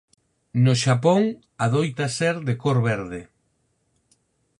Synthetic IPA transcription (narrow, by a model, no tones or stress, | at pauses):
noʃapoŋ | aðojt̪aseɾðekoɾβɛɾðɪ